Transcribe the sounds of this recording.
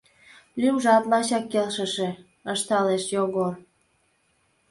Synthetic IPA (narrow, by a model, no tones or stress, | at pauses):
lymʒɑp̪lɑɕɑkːelʃəʃĕ | əʃt̪ɑleʃjoɣor